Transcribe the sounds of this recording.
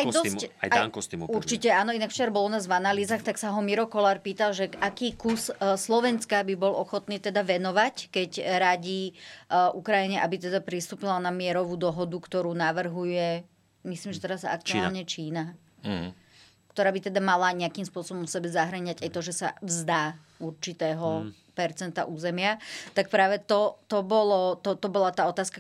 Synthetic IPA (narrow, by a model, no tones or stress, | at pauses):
ajd̪ɔaaakɔst̪imuɾt͡ʃicɛaːnɔinakft͡ʃɛɾbɔlɔnaːzʋanaliːzaxt̪aksaɦɔmiɾɔkɔlaːɾpiːt̪alʒɛakiːkusslɔʋɛnskabibɔlʔɔxɔt̪niːt̪ɛd̪aʋɛnɔʋackɛcɾaɟiːʔukɾajiɲɛʔabit̪ɛd̪apɾist̪uːpilanamɪɛɾɔʋuːd̪ɔɦɔd̪ukt̪ɔɾuːnaʋr̩ɦujɛ | misliːmʒɛt̪ɛɾasa̰k̚t̪uaːlɲɛt͡ʃiːna | kt̪ɔɾaːbit̪ɛd̪amalaɲɛakimspʊɔsɔbɔmfsɛbɛzaɦɾaɲaɟajt̪ɔʒɛsa̰vzd̪aː | uɾt͡ʃit̪ɛːɦɔ | pɛɾt͡sɛnt̪a̰ʔuːzɛmɪat̪ak̚pɾaːʋɛt̪ɔt̪ɔbɔlɔt̪ɔt̪ɔbɔlat̪aːɔt̪aːska